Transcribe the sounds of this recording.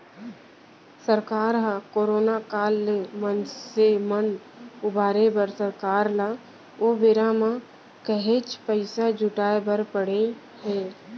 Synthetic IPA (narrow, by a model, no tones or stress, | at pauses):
səɾkaːɾɦakoːɾoːnakaːlːemənsemən | ʊbʱaːɾebəɾsəɾkaːɾla | oʋeːɾamã | kəɦet͡ʃpəɪsad͡ʒʱʊʈaːebəɾpəɽe | ɦeː